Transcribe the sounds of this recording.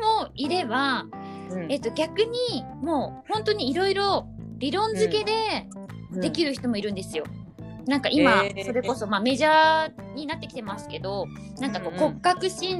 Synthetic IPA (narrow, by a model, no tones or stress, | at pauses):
moiɾe̞ba | e̞t̪ːo̞ɡʲakɯ̟ɲ̟i | mo̞ːhõ̞nt̪o̞ɲ̟iːɾo̞iɾo̞ | ɾʲiɾõ̞nzɨke̞d̪e̞̥ | e̞kʲiɾɯ̟çʲi̥t̪o̞mo̞iɾɯ̟̃nd̪e̞sɨjo̞ | nãŋkaʔimaso̞ɾe̞ko̞so̞maːme̞ʑaː | ɲ̟inat̪ːe̞kʲi̥t̪emasɨ̥ke̞d̪o̞ | nãŋkako̞ːko̞kkːakɯ̟ɕĩn